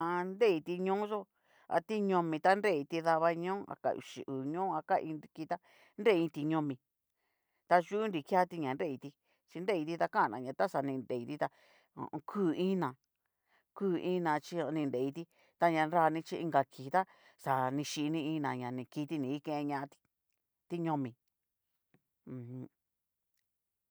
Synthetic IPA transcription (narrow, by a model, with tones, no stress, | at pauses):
a˧nɾe˦i˧t̪i˧ɲõ˦ʒo˦ | a̰˧t̪i˦ɲõ˧mĩ˧t̪a˦nɾe˦˨i˧t̪i˧ða˧βa˧ɲõ˦a̰˧ka̰˧˨ṵ˨ʃḭ˨ʔu˨ɲõː˦a˧ka˦ʔḭ̃˧ni˧ki˧t̪a˦ | nɾe˦˨˧ĩ˧t̪i˧ɲõ˧mĩ˧ | t̪a˧ʒu˦u˦nɾi˧kja˦t̪i˧ɲã˨nɾe˦˧˨i˧t̪i˧ | t͡ʃi˧nɾe˦˨i˧t̪i˧t̪a˧kã˦˨nã̰˧˨ɲã˨˧t̪a˦sa˨nĩ˧nde˨i˧t̪i˦t̪a̰˧ | kʰuː˦˨ĩ˦nã˨ | kuː˦˨ĩ˦nã˧t͡ʃi˧o˧nĩ˧nde˨i˧t̪i˧˦ | t̪a˧ɲã˧nɾa˧nĩ˧t͡ʃi˧ʔi˧ŋɡa˧kʰi˨t̪a˦ | sa˨nĩ˧ʃi˧nĩ˧ĩ˧nã˨ɲã˨nĩ˧ki˧t̪i˧nĩ˨˧i˦kẽ˧ẽ˧ɲã˧t̪i̥˧ | t̪i˦ɲõ˧mĩ˨˧ | hũ˧˦